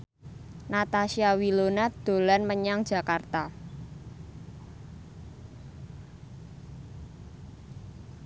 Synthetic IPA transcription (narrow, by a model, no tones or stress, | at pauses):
nat̪aʃiawilonad̪̥o̤lanməɲaŋd̥ʒ̥a̤kart̪a